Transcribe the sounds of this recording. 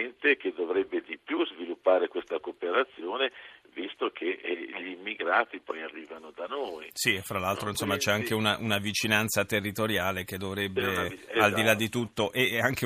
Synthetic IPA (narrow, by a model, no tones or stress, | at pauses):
nt̪eked̪ːovɾɛbːed̪ipjuzvilupːaːɾekwest̪akopeɾat̪sːjoːnevist̪okʰeʎiiːmːiɡɾaːt̪ipɔjarːiːvanod̪anojsiefːɾalːalt̪ɾoinsomːat͡ʃɛaŋk̟eunaʔunavit͡ʃinant̪sat̪erːit̪oɾjaːlek̟ed̪ːovɾɛbːeald̪ilad̪ːit̪ut̪ːoʔeaŋk̟e